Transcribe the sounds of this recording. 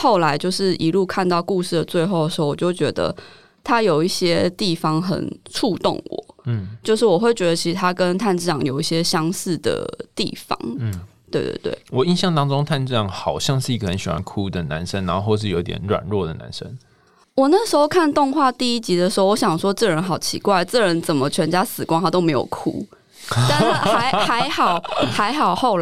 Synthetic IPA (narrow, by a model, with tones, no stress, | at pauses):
xo˥˩ʊla˧˥ɪt͡ɕjo˥˧ʊʂɻ̩˥˩i˧˥lu˥˧kʰa˥˧nt̪ɑ˥˧ʊku˥˧ʂɻ̩˥˩d̪ə˩t͡swe˥˧ɪxo˥˩ʊd̪ə˩ʂ̩˧o˥˩wɔ˨˩t͡ɕjo˥˩t͡ɕɥɛ̰˧˥d̪ə̰˧ | t̪ʰa˦˥jo˨˩ʊi˥˩ɕjɛ˦t̪i˥˩fɑ˧ŋxə̰˨˩nʈ͡ʂʰu˥˧t̪o̰˥˨˩ŋwɔ̰˨˩˦t͡ɕjo˥˧ʊʂ̬ɻ̩˥˩wɔ˨˩xwe˥˩ɪt͡ɕɥɛ˧˥d̪ə˧t͡ɕʰi˧˥ʂ̩˧t̪ʰa˥kə˦˥nt̪ʰa˥˧nt͡sɻ̩˥˩ʈ͡ʂɑ˨˩ŋjo˨˩ʊi˥˩ɕjɛ˥ɕjɑ˥ŋsɹ̩˥˩d̪ə̰˩t̪ḭ˥˩fɑ̰˨˥ŋ̩˥t̪we˥˩ɪt̪wḛ˥˩t̪wḛ˥˩wɔ˨˩i˥˧nɕjɑ˥˩ŋt̪ɑ˥ŋʈ͡ʂo˥˦ŋt̪ʰa˥˧nʈ͡ʂɻ̩˥˩jɑ˥˩ŋxɑ˨˩ʊɕjɑ˥˧ŋʂɻ̩˥˩i˧˩kə˩ə˨˦nɕɥɛ̰˨˩a̰˦nkʰu˥d̪ə˨na˧˦nʂə˦ŋna˧˥nxo˥˧xwʂ̬ɻ̩˥˩jo˧˥i˥t̪jɛ̰˨˩nɻwa̰˨˩nɻwɔ˥˩d̪ə˩na̰˧˦nʂə˦˥ŋ | wɔ˨˩na˥˩ʂɻ̩˧˥xo˧kʰa˥˧nt̪o˥˧ŋxwa˥˧t̪i˥˩i˦˥t͡ɕi˧˥d̪ə˧˨ʂ̩˧xo˥˧wɔ˧˦ɕjɑ˨˩ŋʂwɔ˦˥ʈ͡ʂɤ˥˩ɻə˧˦nxɑ˨˩ʊt͡ɕʰḭ˧˥kwa˥˩ɪʈ͡ʂɤ˥˩ɻə˧˦nt͡sə˨˩nmə˦t͡ɕʰɥɛ˧˥nt͡ɕja˥sɹ̩˨˩kwa˥ŋxa˧˩t̪o˥ʊme˧˥ɪjo̰˨˩ʊkʰṵ˥ | t̪a˥˧n̩˥˩xa˧˥ɪxa˧˥ɪxɑ˨˩ʊxa˧˥ɪxɑ˨˩ʊxo˥˩ʊl